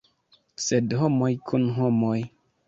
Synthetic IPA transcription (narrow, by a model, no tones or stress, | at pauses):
sedhomojkʰunɦomoj